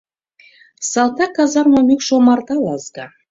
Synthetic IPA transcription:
sɑlˠt̪ɑkɑzɑrmamʲekʃomɑrd̪ɑlˠɑzɡa

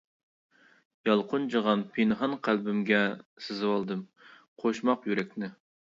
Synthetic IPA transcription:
jɑlˠqʰʊnd͡ʒəʁɑnpʰenɦɑnqʰælbɪmɡʲɛsɨzɨwɑlˠd̪ɨm | qʰoʃmɑqjyɾɛkʲnɪ

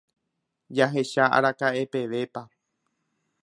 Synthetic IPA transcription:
d͡ʒaɦe̞ʃaa̰ɾakaʔe̞pe̞ʋe̞pa

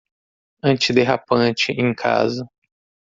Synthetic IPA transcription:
ɐ̃t͡ʃɪd̪eɦapɐ̃t͡ʃɪʔẽj̃kʰa̰zɐ

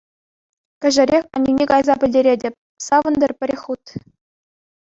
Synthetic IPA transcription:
kʲɘ̆ʒɘ̆ɾʲexʲɑ̰nʲinʲekɑjzɑbʲɘ̆lʲdʲeɾʲedʲĕpʲ | sɑʋɤ̆nd̪ʲɘ̆rpʲɘ̆rʲexʲut̪

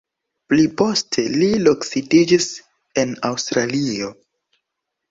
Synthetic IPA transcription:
plipo̞stʰe̞liloksitid͡ʒis | enawstɾalio̞

